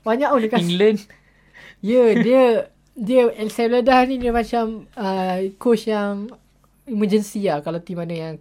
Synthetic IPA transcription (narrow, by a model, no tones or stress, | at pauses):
baɲaʔundəkaiŋɡlən | jədiə | diəɛlsɛblədahnĩdiəmat͡ʃaməkot͡ʃjaŋ | iməd͡ʒənsiahkalawt̪imanajaŋ